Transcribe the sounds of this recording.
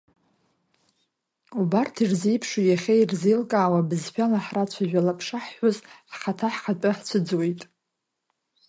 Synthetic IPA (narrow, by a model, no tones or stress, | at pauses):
ubartʰirzijpʰʂujaχʲeirzelkʼaːwabɨzħʷᶣalaħrat͡ɕʷʰaʒᶣalapʰʂaħħʷʊzħχatʰaħqatʼaħt͡sʷʰɨd͡zwejtʼ